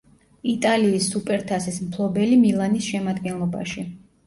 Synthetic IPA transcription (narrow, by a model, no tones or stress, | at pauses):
it̪ʼaliːsːupʼɛɾt̪ʰasismpʰlˠɔbɛlimilˠanisʃɛmad̪ɡɛnlˠɔba̰ʃi